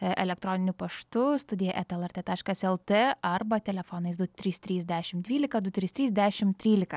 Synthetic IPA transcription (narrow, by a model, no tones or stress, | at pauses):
ʔɛlʲɛk̚t̪ɾoːnʲɪnʲʊpɐʃt̪ʊst̪ʊd̪ʲɪjɛʔɛt̪ɛlˠɛɾʲt̪ʲeːt̪ɑːʃkɐsɛlˠt̪ʲeɐrbɐt̪ʲɛlʲɛfoːnɐɪsd̪ʊt̪ʲɾʲiːst̪ʲɾʲiːzʲd̪ʲæːʃʲɪmd̪ʲʋʲiːlʲɪkɐd̪ʊt̪ʲɾʲiːst̪ʲɾʲiːzʲd̪ʲæːʃʲɪmt̪ʲɾʲiːlʲɪkɐ